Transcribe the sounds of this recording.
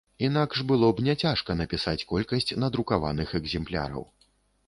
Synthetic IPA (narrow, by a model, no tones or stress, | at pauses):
inakʂbɨlˠɔbnʲɛt͡sʲaʂkɐnɐpʲisat͡sʲkɔlʲkɐsʲt͡sʲnɐd̪ɾukava̰nɨxɛɡzʲɛmplʲa̰ɾɐ̰w